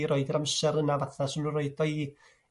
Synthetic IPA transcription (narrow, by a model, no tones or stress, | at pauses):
ɾoɨdəɾamsɛɾənavaθasɪmnunroɨdɔi